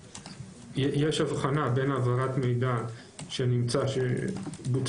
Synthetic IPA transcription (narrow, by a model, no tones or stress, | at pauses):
jeʃavχanabe̞navaʁatme̞jda | ʃenimt͡saʃebut